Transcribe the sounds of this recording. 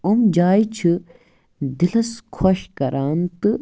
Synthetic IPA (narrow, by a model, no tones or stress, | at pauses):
umd͡ʒaːjt͡ʃʰɨ | d̪ilɐskʰoʃkɐɾʔaːnt̪ɨ